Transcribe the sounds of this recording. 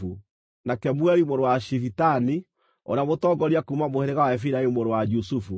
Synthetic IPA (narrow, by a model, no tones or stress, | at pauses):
u | nakɛmwɛɾimoɾowaʃifitani | ɔ̰ɾamotɔɡɔɾiakumamoheɾeɣawaɛfiɾaemoɾowad͡ʒusufu